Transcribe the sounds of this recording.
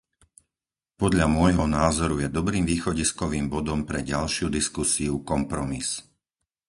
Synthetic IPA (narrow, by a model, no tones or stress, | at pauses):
pɔd̪ʎamʊɔjɦɔnaːzɔɾujɛd̪ɔbɾiːmʋiːxɔɟiskɔʋiːmbɔd̪ɔmpɾɛɟalʃɪud̪iskusiukɔmpɾɔmis